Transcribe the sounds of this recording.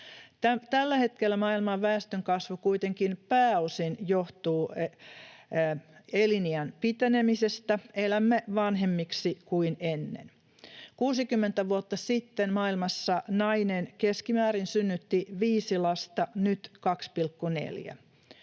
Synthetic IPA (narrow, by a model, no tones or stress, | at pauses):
t̪æt̪ælːæhet̪̚kelːæmɑilmɑʋʋæːst̪øŋkɑsʋukuit̪eŋkinpæːosinjoht̪uː | eliniænpit̪enemisest̪æelæmːeʋɑnɦemːiksikuinenːḛn | kuːsikymːent̪æʋuot̪ːɑsit̪ːenmɑːilmɑsːɑnɑinenkeskimæːɾinsynːyt̪ːiʋiːsilɑst̪ɑnyt̪kɑkspilkːunḛljæ̰